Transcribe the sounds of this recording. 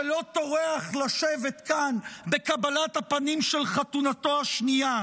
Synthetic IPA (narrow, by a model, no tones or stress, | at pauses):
lo̞to̞ʁeaχlaʃevet̪kanbe̞kabalathapanimʃelχatunato̞aʃnia